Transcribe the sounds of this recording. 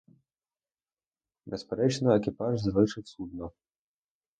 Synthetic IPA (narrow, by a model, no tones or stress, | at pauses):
bɛspʲɛɾɛt͡ʃnɐɛkʲipaʐzvɨʂɨwsud̪nɔ